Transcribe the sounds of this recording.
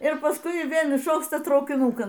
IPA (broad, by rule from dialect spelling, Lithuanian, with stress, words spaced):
ɪr pɐˈskʊɪ ˈʋʲeːlˠ ɪʃoːkˈstɐ trɐʊkʲɪˈnuːkɐn